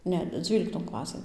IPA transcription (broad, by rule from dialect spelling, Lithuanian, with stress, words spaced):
ˈnʲɛ ˈd͡zʲʋʲiːlʲɪktoːn ˈklˠɑːsɘn